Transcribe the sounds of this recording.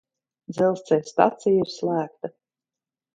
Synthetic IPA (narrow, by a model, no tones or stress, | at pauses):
d̪zɛlˠst̪sɛjst̪a̰t̪sijiɾslˠæːk̚t̪a